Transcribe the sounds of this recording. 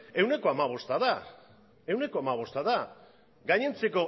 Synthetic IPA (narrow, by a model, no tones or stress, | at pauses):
e̞wne̞ko̞amaβ̞o̞st̪aða | e̞wne̞ko̞amaβ̞o̞st̪aða | ɡajɲe̞nt͡se̞ko̞